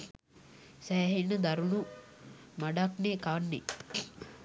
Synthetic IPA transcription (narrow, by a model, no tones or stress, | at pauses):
sæjɦenːəd̪aɾunu | maɖakneːkanːḛ